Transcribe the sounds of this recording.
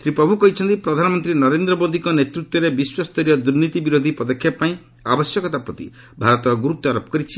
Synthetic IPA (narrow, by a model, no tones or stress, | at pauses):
sɾipɾɔbʱukɔɦit͡ʃʰɔnt̪ipɾɔd̪ʱanɔmɔnt̪ɾinɔɾend̪ɾɔbod̪ʱikɔnet̪ɾut̪wɔɾebiswast̪ɔɾijɔd̪uɾnit̪ibiɾod̪ʱipɔd̪ɔkʰjapaĩ | abɔsjɔkɔt̪apɾɔt̪ḭ | bʱaɾɔt̪ɔɡuɾut̪ːɔɾɔpɔ̥kɔɾit͡ʃʰi